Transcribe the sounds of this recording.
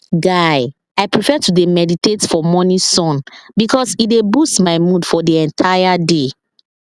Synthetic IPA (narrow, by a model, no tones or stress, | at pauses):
ɡaj | ajpɹifɛtudemɛditetfɔmɔnisɔ̃nbikɔsidebustmaɪmudfɔdiɛ̃ntʰajade